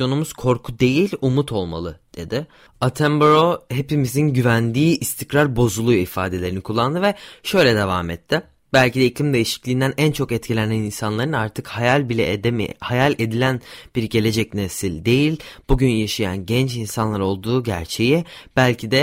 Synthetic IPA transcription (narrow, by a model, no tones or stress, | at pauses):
jo̞numuz̥kʰo̞ɾkʰud̪e̞jilʲumut̪ʰo̞lˠma̰lˠɯd̪̥e̞d̪ɪ | at̪ʰɛmbɾohe̞pimizinɟyvænd̪iːʔist̪ʰicɾaɾbo̞zulˠujifa̰ːd̪e̞lʲeɾinikʰulˠːand̪ɯvɛʃø̞jlʲɛd̪e̞va̰mɛt̪ʰːɪ | bælʲcid̪ɛiclʲimd̪e̞jiʃi̥clʲiːnd̪ænʔænt͡ʃʰo̞kɛt̪cʰilʲenæninsanlˠaɾɯnaɾt̪ʰɯkhajalʲbilʲɛ̰d̪̰hajalʲed̪ilʲænb̥iɾɟe̞lʲe̞d͡ʒɛcnesilʲd̪e̞jilʲb̥uɟynjaʃaja̰nɟɛnt͡ʃinsanlˠaɾo̞lˠd̪uːɟæ̰ɾt͡ʃʰe̞jɛb̥ælʲcʰid̪ɛ